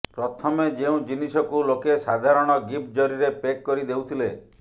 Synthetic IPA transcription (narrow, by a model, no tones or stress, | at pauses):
pɾɔt̪ʰɔmed͡ʒeũd͡ʒinisɔkulokesad̪ʱaɾɔɽ̃ɔɡip̚d͡ʒɔɾiɾepekːɔɾid̪ewt̪ʰile